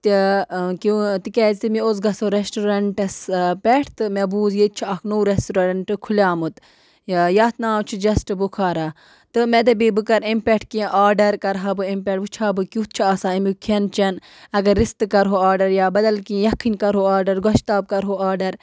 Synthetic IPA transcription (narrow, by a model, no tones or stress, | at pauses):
t̪ikut̪ikɛːzt̪imiozɡɐsoɾesʈuɾɐɳʈɐspɛʈʰt̪ɨmebuːzjet̪̚t͡ʃʰuɐːknoɾesʈuɾɐɾɐɳʈɨkʰulʲaːmɨt̪ | jaːt̪nãːt͡ʃʰid͡ʒɐsʈɨbukʰaːɾa | t̪ɨmed̪ɐbibɨkɐɾempʲɛʈʰkĩʔaːɾɖɐɾkɐɾɦabɨempʲɛʈʋɨt͡ʃʰaːbɨkʲut̪̚t͡ʃʰiaːsaːimʲikʰɐnt͡ʃɐn | ɐɡɐɾːist̪ɨkɐɾɦoːaːɾɖɐɾjaːbɐd̪ɐlkĩjɐkʰːɨnʲkɐɾɦoaːɾɖɐɾɡɐʃt̪aːb̚kɐɾɦoːaːɾɖɐɾ